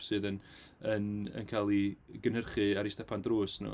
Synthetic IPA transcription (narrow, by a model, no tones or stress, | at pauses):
sɨːðənənə̰nkʰalˠiɡənərχɨaɾistɛpʰandroːsnɔ̰